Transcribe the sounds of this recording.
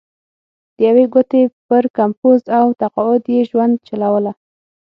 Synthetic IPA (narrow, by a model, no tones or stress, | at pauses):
d̪̥əjaweɡot̪epəɾkampozawt̪aqɑʊd̪jeʒwand̪̚t͡ʃalawəla